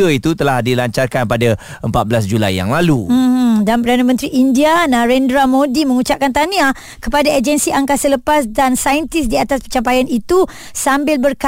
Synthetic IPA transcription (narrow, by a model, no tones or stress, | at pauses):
əit̪ut̪əlahdilaɲt͡ʃarkanpada | əmpat̪̚bəlasd͡ʒulajːa̰ŋlalum̩danpəɾdanamənt̪ɾiʔindianãɾɛndɾamõdimə̃ŋut͡ʃap̚kant̪ania | kəpadaad͡ʒənsiʔaŋkasələpasdansajənt̪ɪsdiat̪aspət͡ʃampajanit̪u | sambɪlbərka